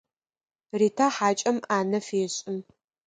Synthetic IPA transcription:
riːtʰaːħaːt͡ʃʼɐmaːnɐfeːɕʼɪm

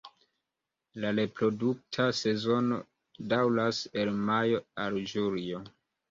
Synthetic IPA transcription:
laɾe̞pɾo̞duk̚tʰase̞zo̞no̞ | dawlase̞lmajo̞ald͡ʒuɾio

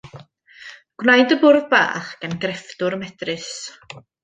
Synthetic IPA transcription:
ɡ̥wnajdəbʊrðba̰ːχɡ̥anɡrɛfdʊɾmɛdrɨs

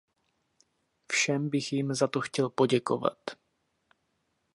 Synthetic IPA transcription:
fʃɛmbɪxjɪmzat̪o̞xcɛlpo̞ɟɛko̞va̰t̪

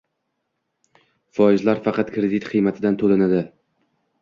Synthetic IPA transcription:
fɒɪzlaɾfɑqɑt̪kʰɾed̪it̪qʰɨjmat̪ʰɪd̪ant̪ʰolanad̪ɪ

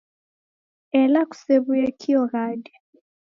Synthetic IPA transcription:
ɛlaku̥seβujɛkʰiɔɣadɛ

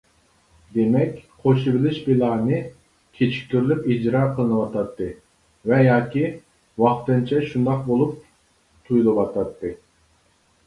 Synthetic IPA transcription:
d̪emɛkʲqʰoʃibɪlɪʃbilˠɑːnɨ | kʲʰet͡ʃʰi̥k̚ʲːyɾlypid͡ʒɾɑːqʰəlˠɨnɨwɑt̪ʰɑt̪ːɨ | vɛjɑːkʲi | wɑχt̪ɨnt͡ʃʰɛʃund̪ɑq̚bolˠup̚ | t̪ʰujulˠɨwɑt̪ʰɑt̪ːɨ

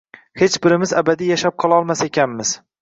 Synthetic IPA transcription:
het͡ʃbɪɾɪmɪzabad̪ijaʃap̚qʰɒlˠaɒlˠmasaekʲʰanmɪz̥

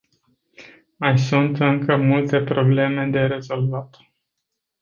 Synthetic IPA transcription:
majsunt̪ɨŋkəmult̪e̞pɾo̞ble̞me̞d̪e̞ɾe̞zo̞lvat̪

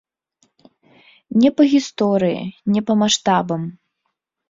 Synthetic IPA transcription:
nʲɛpɐɣʲist̪ɔɾɨjḭnʲɛpɐmaʂt̪abɐm

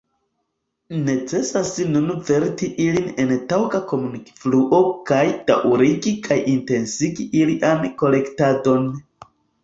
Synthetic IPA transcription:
ne̞t͡se̞sasinunve̞ɾtiʔiline̞ntawkako̞muniki̥fluʔo̞kajtaʔuɾiɡikʰajʔinte̞nsiɡiʔiliʔanko̞le̞ktado̞n

